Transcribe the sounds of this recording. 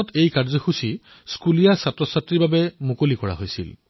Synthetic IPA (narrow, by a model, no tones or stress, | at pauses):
ɔtejkaɹzɔxusi | skulijasatɹɔsatːɹiɹbabɛmukolikɔɹa̰ɦojsḭl